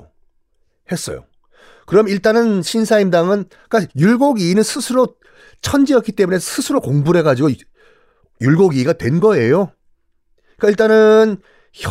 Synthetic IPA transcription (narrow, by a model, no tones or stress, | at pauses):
he̞s͈ʌjo̰ | kɯɾʌmiɭt͈anɯnɕʰinsʰaimdaŋɯn | k͈ajuɭɡoɡiːnɯnsʰɯsʰɯɾo | t͡ɕʰʌnd͡ʑiʌk͈it͈e̞mune̞sʰɯsʰɯɾokoŋbuɾe̞ɡad͡ʑiɡo | juɭɡoɡiːɡatwe̞nɡʌe̞jo | k͈aiɭt͈anɯn | ç